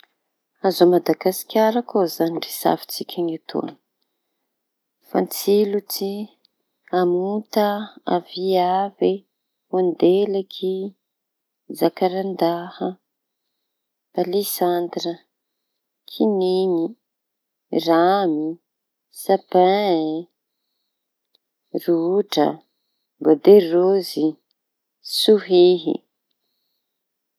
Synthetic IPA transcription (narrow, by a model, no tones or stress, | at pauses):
azomad̪aɡasi̥kʲaɾakʰozanirisa̰fi̥t͡sikʲʰaŋat̪ʰṵa̰n | fa̰nt͡silut͡si | amut̪əa̰viavi | wand̪elakʰi | zakaɾand̪ahə | b̥alisand̪rə | kʰinini | rami | sapa | ruuʈ͡ʂə̰ | ɡod̪erozi | suɦiɦḭ